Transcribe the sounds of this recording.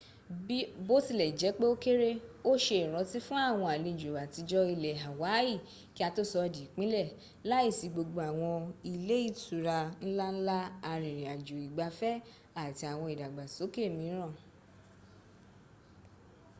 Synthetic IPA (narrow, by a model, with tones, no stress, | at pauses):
bo˦ti˧lɛ˨d͡ʒɛ˨˦k͡pe˦o˦ke˦ɾe˦o˦ʃe˧i˨ɾ̃ɔ̃˨˧ti˦fũ˦a˦˨w̃ɔ̃˧a˨le˧˨d͡ʒo˨ba˨ti˧d͡ʒɔ˦i˧lɛ˨ɦa˨wa˨˦i˦˨ | ki˦a˧to˦sɔ˧di˨˦˨k͡pĩ˦lɛ˦˨ | la˦i˦˨si˨˧ɡ͡bo˧ɡ͡bo˧a˨w̃ɔ̃˧i˧le˦i˦˨tu˨ɾa˧n̩˦la˦n̩˦la˦a˧ɾ̃ĩ˨ɾ̃ĩ˨a˨d͡ʒo˨i˨ɡ͡ba˧fɛ˦ | a˦˨ti˧a˨w̃ɔ̃˧i˨da˨ɡ͡ba˨so˨˦ke˦˨mĩ˧˦ɾ̃ã˦˨